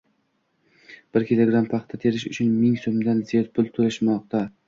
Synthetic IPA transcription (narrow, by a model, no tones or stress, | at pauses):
b̥ɪɾkʲɪlˠoɡɾampʰɑχt̪ʰat̪ʰe̞ɾɪʃʊt͡ʃʰʊnmɪŋsomd̪anzijɒt̪̚pʰʊlˠt̪ʰolɪʃmɒq̚t̪ʰa